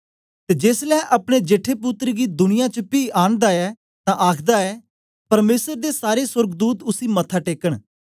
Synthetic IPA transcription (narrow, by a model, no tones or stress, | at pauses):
t̪eːd͡ʒeːslɛːʔəpɽ̃eːd͡ʒeːʈʰeːpʊt̪ɾəɡiːd̪ʊnɪjãːt͡ʃəpiːʔaːnd̪aːɛː | t̪ãːʔaːkʰd̪aːɛː | pəɾmeːsəɾd̪eːsaːɾeːsʊɾɡd̪uːt̪ʊsiːmət̪ʰaːʈeːkəɽ